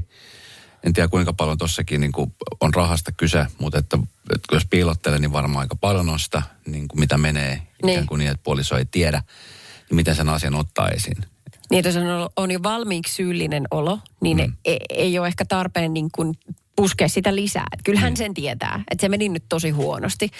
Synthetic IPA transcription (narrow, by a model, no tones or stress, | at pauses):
ent̪iækuiŋkɑpɑljont̪osːɑkiːniːŋkuonrɑhɑst̪ɑkysemut̪et̪ːæet̪jospiːlot̪ːeleniʋʋɑrmɑɑ̰ikɑpɑljononsi̥t̪ɑniːŋkumit̪æmeneːniːeŋkuniːet̪̚puoliso̰ḛt̪iedænimit̪ensenɑsjɑnot̪ːɑ̰ːḛsḭn | niːet̪osnolonjoʋɑlmiːkssyːlːinenolonineejoːehkæt̪ɑrpenːnniːŋkun | puskeːssit̪ælisæ̰ːḛt̪kylhænsent̪iet̪æ̰ːʔet̪semeninyt̪t̪osihuonost̪i